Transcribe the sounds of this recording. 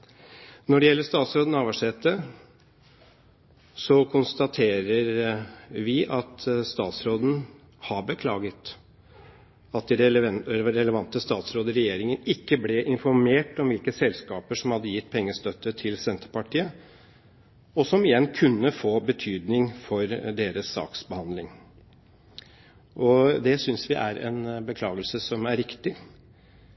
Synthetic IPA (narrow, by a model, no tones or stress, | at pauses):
nɔɖɛjɛlːəʂt̪ɑːt̪sɾoːd̪nɑːʋɑʂeːt̪ːə | sɔkʰʊnst̪ɑt̪ʰeːɾəɾ | ʋɪʔɑt̪st̪ɑːt̪sɾoːd̪n̩ | hɑɾbəkʰlɑːɡət̪ | ɑt̪̚d̪ɪ | ɾɛləʋɑnt̪əst̪ɑːt̪sɾoːd̪əɪɾɛjeːɾɪŋənɪkːəblɛʔɪnfɔɾmeːʈɔmʋɪlkəsɛlskɑːpəʂɔmhɑd̪ːəjɪt̪ːpʰɛŋːəst̪œt̪ːət̪ʰɪlsɛnt̪əɾpɑʈʰiːə | ɔsɔmɪjɛnːkʰʉnːəfoːbət̪ʰyːd̪nɪŋfɔɾd̪eːɾəsːɑ̰ːksbəhɑnd̪lɪŋ | ʔɔd̪ɛsʏnsʋɪʔæ̰ɾɛ̰nbəkʰlɑːɡəlsəsɔmæɾɾɪkt̪ɪ